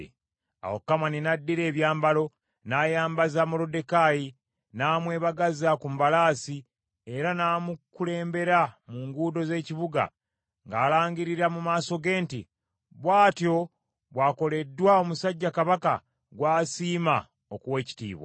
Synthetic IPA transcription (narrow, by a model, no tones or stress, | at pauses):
a̰wo̰kːamaninadːiɾe̞ːβjaːmbalo̞ | naːjaːmbazaːmolo̞de̞kaji | naːmwe̞ːβaɡazakumβalaːsi | e̞ɾanaːmukule̞ːmbe̞ɾamuŋɡuːdo̞ze̞ːciβuɡa̰ | ŋɡaːlaːɲɡiɾiɾamumaːso̞ɡe̞ːntḭ | βwaːtjo̞ | βwaːko̞le̞dːwao̞musaɟːakaβaka̰ | ɡwaːsiːma | okuwe̞ːci̥tḭːβwa̰